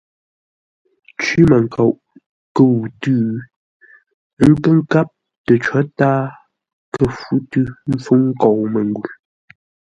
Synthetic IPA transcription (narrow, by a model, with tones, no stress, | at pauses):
t͡ʃɥi˦mə˨ŋ̩˨kʰa˨ʔ | kə˦wu˨tʉː˦ | ŋ̩˦kə˦ŋ̩˦ka˦p̚ | tə˨t͡ʃɔ˨˦taː˦ | kʰə˦fu˨˦tʉ˦m̩˦fu˦ŋ̩˦kɔ˨wmə˨ŋ˨ɡu˨l